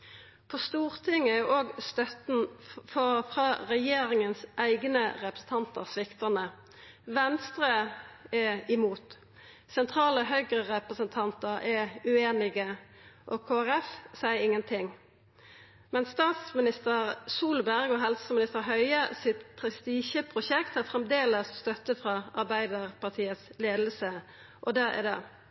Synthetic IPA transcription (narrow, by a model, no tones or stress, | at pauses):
pʰɔst̪uːʁt̪ʰɪŋəʔoːɡst̪œt̪n̩fɔfʁɑːʁɛjeːɾɪŋənsʔæɪɡnəʁɛpʁəsn̩t̪ʰɑnt̪ə̰ʁsʋɪkt̪ənə | ʋɛnst̪ʁəɛɪmuːt̪ | sɛnt̪ʰɾɑːləɦœʏɡʁəʁɛpʁəsənt̪ʰɑnt̪əʁɛʉeːnɪɡəʔɔkʰoːæʁɛfsæɪəɾɪŋːənt̪ʰɪŋ | mɛnst̪ɑːt̪smɪnɪst̪əʁsuːlbæʁɡɔɦɛlsəmɪnɪst̪əɾɦœʏəsɪt̪pʰɾɛst̪iːʃəpʰɾʊʃɛkt̪æʁfɾɛmd̪eːləsst̪œt̪ːəfɾɑɑɾbæɪd̪əʁpɑʁt̪ʰiːət̪sleːd̪l̩sə | ʔɔd̪ææ̰d̪ɛ̰